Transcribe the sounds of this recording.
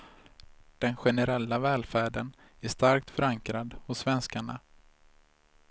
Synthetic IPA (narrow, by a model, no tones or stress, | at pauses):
d̪̥ɛnɧɛnɛɾɛlːavɛːlfæːɖən | æʂt̪aɾk̚t̪fœɾaŋkɾad̪hʊsːvɛnskaɳa̰